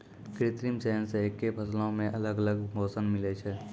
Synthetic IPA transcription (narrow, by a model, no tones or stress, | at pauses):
kɾɪt̪ɾimseɦənsekːepʰɐslõmẽʔɐləɡələɡmʱoːsənmɪlet͡ʃʰɛ